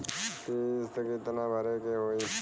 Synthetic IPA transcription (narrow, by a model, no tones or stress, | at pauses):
kist̪əkit̪nãːbʱəɾekeɦoːi